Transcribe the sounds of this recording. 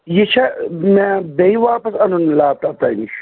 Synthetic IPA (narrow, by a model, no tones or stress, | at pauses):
jet͡ʃʰamɛ̃beiʋaːpɐsɐnunlaːb̚t̪aːt̪aːni